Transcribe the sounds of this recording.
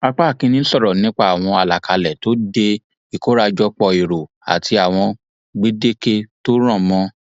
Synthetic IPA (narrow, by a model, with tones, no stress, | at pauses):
a˧k͡pa˦˨kĩ˧˦nĩ˦sɔ˦˨ɾɔ˨nĩ˦k͡pa˦˨a˨w̃ɔ̃˧a˨la˨kʰa˨lɛ˨to˦de˧ | i˨ko˨˦ɾa˧d͡ʒɔ˦k͡pɔ˧i˨ɾo˨ | a̰˨tʰi˧a˨w̃ɔ̃˧ | ɡ͡be˦de˦ke˦to˦ɾ̃ã˦˨mɔ̃˧˦